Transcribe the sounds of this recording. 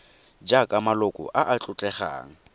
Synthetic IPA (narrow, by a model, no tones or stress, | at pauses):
d͡ʒakʼamalʊkʼɔ̰ʔaʔat͡ɬʼʊt͡ɬʼɛχa̰ːŋ̩